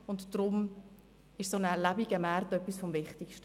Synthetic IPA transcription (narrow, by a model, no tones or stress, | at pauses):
ʊntd̥ɾʊm | ɪʃsonəɛlæbiɡəmæɾrtœpːisfɔmvɪχtikʃtə